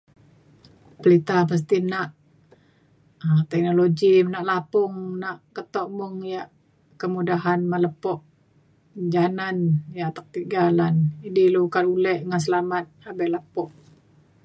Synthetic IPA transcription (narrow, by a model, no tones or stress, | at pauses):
pəlit̪ahpas̬t̪inaʔ | ət̪ɛk̚noloɡimnaʔlapʊŋnaʔkət̪ɔʔmʊŋjaʔ | kəmudaɦanmaləpɔʔ | d͡ʒananjaʔt̪ak̚t̪iɡalanidilukalulɛʔŋans̬əlamat̪̚habɛləpɔʔ